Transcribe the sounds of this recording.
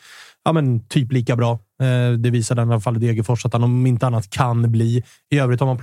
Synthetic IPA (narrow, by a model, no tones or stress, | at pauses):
ʔɑːmɛnt̪ʰyːpliːkabɾɑː | d̪ɛviːsad̪analafalːəd̪eːɡəfɔʂat̪ːanɔmɪnt̪əanːat̪kʰanbliː | ɪøːvɾɪt̪haɾmanpʰ